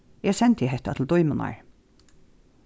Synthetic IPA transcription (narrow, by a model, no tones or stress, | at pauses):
ɛsɛnt̪ɪɦɛht̪at̪ʰl̩d̪ɔjmʊna̰ɹ